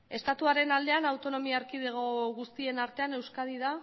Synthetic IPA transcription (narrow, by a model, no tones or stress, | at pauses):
e̞st̪at̪uaɾe̞nald̪e̞anawt̪o̞no̞miaːɾkiðeɣoɣust̪ie̞naɾt̪e̞ane̞wskaðið̞a